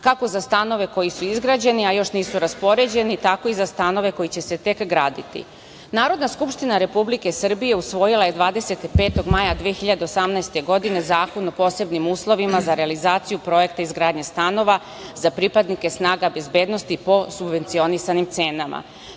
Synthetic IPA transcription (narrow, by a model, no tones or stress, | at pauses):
kako̞zast̪ano̞ʋe̞ko̞jisuizɡɾaːd͡ʑe̞niajo̞ʃniːsuɾaspo̞ɾe̞d͡ʑe̞nit̪ako̞izast̪ano̞ʋe̞ko̞jit͡ɕe̞se̞t̪e̞kɡɾaːd̪it̪ḭ | naːɾo̞d̪naskupʃt̪inaɾe̞publike̞sər̩bije̞usʋo̞jilˠaje̞d̪ʋaːd̪e̞se̞t̪ipe̞ːt̪oɡmajad̪ʋiexiʎad̪e̞osamnaest̪e̞ɡo̞d̪ine̞zaːko̞no̞po̞se̞bnimuːslˠo̞ʋimazaɾealizaːt̪sijupɾo̞je̞kt̪aizɡɾaːd̪ɲest̪ano̞ʋa | zapɾipad̪nike̞snaːɡabe̞zbe̞ːd̪no̞st̪ipo̞subʋe̞nt̪sio̞nisanimt̪seːnama̰